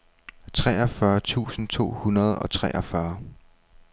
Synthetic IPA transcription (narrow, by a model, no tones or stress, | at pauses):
t͡sʰʁɛːɒfɶɐt͡sʰṵːsn̩t͡sʰo̝̰ːhunɐð̞̩ˠɒ̽t͡sʰʁɛʔɒ̽fɶɐ